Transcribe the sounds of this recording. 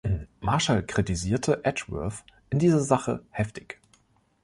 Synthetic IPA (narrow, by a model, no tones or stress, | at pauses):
maɐʃalkʁ̥itiziːɐtʰəʔɛt͡ʃvœ̰ɐθʔɪndiːzɐzaχə̰hɛftɪ̥ç